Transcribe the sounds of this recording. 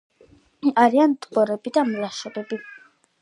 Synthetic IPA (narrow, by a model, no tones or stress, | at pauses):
aɾiant̪ʼbɔɾɛbid̪amlaʃɛbɛbi